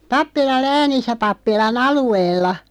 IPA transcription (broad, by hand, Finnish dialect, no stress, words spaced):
pɑpːilɑl læːnisˑæ pɑpːilɑn ɑlueːlːɑ